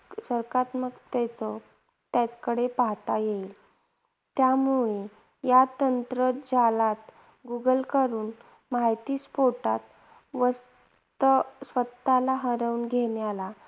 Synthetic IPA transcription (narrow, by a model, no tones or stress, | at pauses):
səɾkat̪məkt̪ɛt͡sɔ | t̪akəɽepaɦt̪ajeil | t̪jamuɭe | jat̪ənt̪ɾəd͡zalat̪ | ɡuɡəlkəɾuːn | majt̪iːspoɾʈat̪ | ʋəs | t̪əsʋət̪ːalaɦəɾəuːnɡʱeɳjala